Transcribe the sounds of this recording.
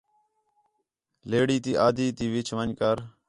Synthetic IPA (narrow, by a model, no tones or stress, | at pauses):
leːɽiːt̪iːʔaːd̪ʱiːt̪iːʋɪt͡ʃʰʋəɲkəɾ